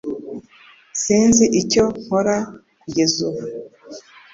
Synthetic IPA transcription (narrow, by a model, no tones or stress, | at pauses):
siːnziʔico̞ŋ̥hoɾakuɟezuβu